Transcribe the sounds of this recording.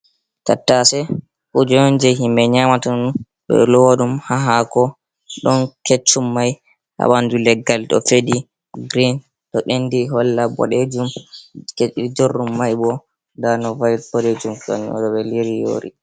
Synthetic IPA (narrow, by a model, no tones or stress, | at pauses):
tatːasɛ | kud͡ʒɔnd͡ʒɛɦimɛɲamatan | ɓɛ̰lɔwaɗumhaɦakɔ | ɗɔnket͡ʃːumːaj | ha̰ɓandulɛɡːalɗɔ̰fedi | ɡɾin | tɔɓendiɦɔlːabɔ̰ɗed͡ʒumkd͡ʒorːumːajbɔ | danɔvajb̥ɔɗed͡ʒumsɔ̰ɲɔ̰ɗɔɓɛliɾijo̰ːɾḭ